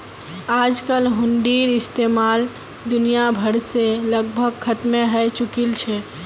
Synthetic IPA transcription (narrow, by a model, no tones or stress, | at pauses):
aːd͡ʒkəlɦʊnɖiːɾɪst̪eːmaːl | d̪ʊnijabʱəɾseləɡ̚bʱəɡkʰət̪meɦɛt͡ʃʊkilt͡ʃʰɛ